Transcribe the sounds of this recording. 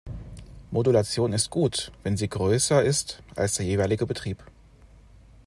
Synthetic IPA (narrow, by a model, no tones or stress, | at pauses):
mʔodulat͡sjoːnɪstɡ̥uːtv̥ɛnziːɡʁøːsɐɪstʔa̰lsd̥eːɐjeːvaɪlɪɡəbətʁ̥iːp